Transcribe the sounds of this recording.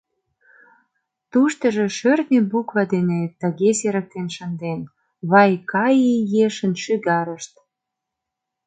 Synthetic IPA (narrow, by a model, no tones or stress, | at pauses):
t̪uʃt̪ə̆ʒĕʃørnʲebukβɑd̪enet̪ːə̆ɣeseɾə̆k̚t̪enʃə̆nd̪en | βɑjkɑjejeʃə̆nʃyɣɑɾə̆ʃt̪̚